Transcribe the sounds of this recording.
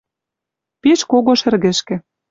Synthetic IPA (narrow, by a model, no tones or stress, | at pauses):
peʃkoɣoʃɘ̆rɣɘ̆ʃkĕ